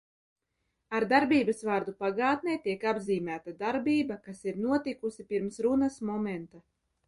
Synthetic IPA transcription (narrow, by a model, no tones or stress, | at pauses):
aɾd̪aɾbiːbasvaːɾd̪upaɡaːt̪̚nʲɛjt̪iɛkabziːmʲæːt̪ad̪aɾbiːbakasiɾnuɔt̪ikusipiɾmsɾunasmɔmɛnt̪a